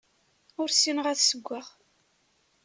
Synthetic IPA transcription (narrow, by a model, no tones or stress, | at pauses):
ʊɾsinʁæθsəɡʷːaʁ